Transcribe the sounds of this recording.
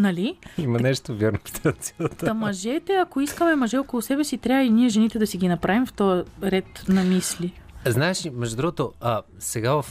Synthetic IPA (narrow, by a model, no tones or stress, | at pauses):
nɐliimɐnɛʃt̪ovʲjaɾnokʲi̥t̪ʰasiət̪ɐmɐʒɛt̪ɛɐkoiskəmɛmɐʒɛokolˠosɛbɛsit̪ɾʲaəiniɛʒɛnit̪ɛd̪ɐsiɡinɐpɾavimft̪ɔjəɾɛt̪nɐmisli | znaɛʃimɛʒod̪ɾuɡot̪oə | sɛɡavɐf